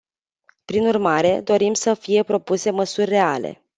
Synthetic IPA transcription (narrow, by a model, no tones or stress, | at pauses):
pɾinurmaɾe̞d̪o̞ɾimsəfije̞pɾo̞puse̞məsurʲːe̞ale̞̰